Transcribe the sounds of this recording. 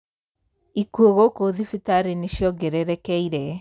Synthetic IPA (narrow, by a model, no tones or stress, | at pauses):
ikuoɣokoðifitaɾeniʃjɔɡɛɾɛɾɛkɛiɾɛ